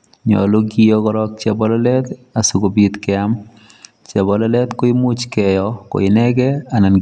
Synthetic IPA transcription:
ɲɔ̰˨lo˦ɡijɔkɔɾɔ˦k̚t͡ʃɛ˨bɔ˦lɔlɛ˦t̪a˨su˨ɡo˨bit̪kɪam | t͡ʃɛ˨bɔ˨lɔlɛ˦t̪ko˦ɪ˦mʊ˦t͡ʃkɛ˨jɔko̰˨ɪnɛ˦ɡɛ˦a˨na˨n

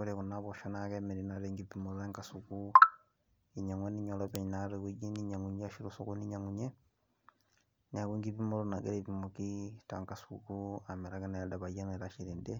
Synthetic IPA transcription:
u˦ɾe˨ku˨naβo˨ʃa˦nakeme˨ɾi˨na˦ɾeŋɡipimu˨za˦ŋka˨suku˦ | i˨ɲa˨ŋwa˦niɲo˨lope˨naɾekiɟi˦ni˦ɲa˨ŋu˨ɲː˦ʃi˦ɾusoku˦ni˦ɲa˨ŋuɲe˦ | ɲa˨ku˦ŋɡi˦pi˦mu˦luna˨ɡe˦ɾepi˨mo˨kita̰˨ŋkasukua˨me˨ɾa˦ka˦na˨ja˨daβa˨ja˦na˨ɾa˦ʃi˨ɾɛ˨ndɛ˦

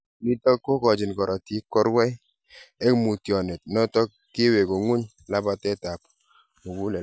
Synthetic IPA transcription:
li˦tɔ˦kːo˦kɔ˨d͡ʒɪ˨nkɔ˨ɾʔɔ˨ti˦kːɔ˦ɾwɛ˦ | e˦kmu˨tjɔ˨ne˨t̚nɔ˦tɔ˦ | ke˦we˨ko˨ŋu˦ɲ | la˦ba˨tɛ˦ta˨p | mo˨ku˦lɛ˨

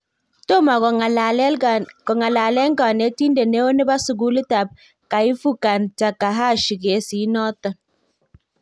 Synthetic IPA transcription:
to˦ma˨˦ | kɔ˨ŋa˨la˨lɛ˦ŋ˦ɡa˨ne˨˦ti˦nde˨ne˦o˦ne˦ba˦su˨ɡu˦li˦ta˨p̚ | ka˨i˦fu˦ka˨nta˨ka˨ɦa˦˨ʃi˨ɡe˨˦si˨˦nɔ˦tɔ˨n

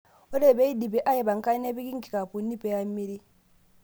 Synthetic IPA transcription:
ɔ˦lɛ˦˨bɛ˦i˦di˨bɛ˨ʔa˦jɛ˨ba˨ŋ̩˨ka˦nɛ˦bi˦ki˦ŋ̩˦ki˨ka˨pu˨nːi˦pɛ˦ja˦mːi˦ɾi˦

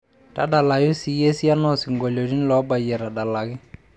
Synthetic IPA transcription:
ta˦da˨la˨jʊ˦si˨˦je˦si˦a˦nɔ˦sɪ˨ŋɡo˨lo˨di˦n˦lɔ˨˦ba˨jɛ˨ɾa˨da˨la˨kɪ˦

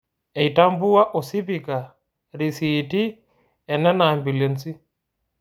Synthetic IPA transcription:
ɛ˨i˨ta˦mbu˦a˦ʔɔ˨si˦pi˨ka˨ | ɾi˨siti˦ | ɛ˨nɛ˦na˨mbi˨le˨nsi˦

